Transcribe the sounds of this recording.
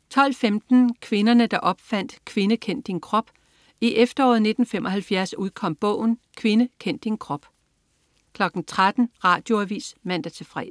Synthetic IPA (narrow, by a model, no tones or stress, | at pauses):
t͡sʰɒ̽l̰femd̥n̩kʰʋe̝nɐnəd̥ɑ̈ʔɒ̽b̥fæn̰d̥kʰʋe̝nəkʰen̰d̥ːinkʰʁɒ̽b̥ | iʔefd̥ɐɒ̰ːð̩ˠne̝d̥n̩femɒ̽hælfjæɐsuðˠkʰɒ̽m̰b̥ɔ̰̽ːʊ̰n̩kʰʋe̝nəkʰen̰d̥ːinkʰʁɒ̽b̥ | kʰlɒ̽ɡ̥n̩t͡sʰʁad̥n̩ʁɑ̰̈ːd̥jo̝æʋḭːsmæn̰d̥æt͡sʰe̝lfʁɛ̰ː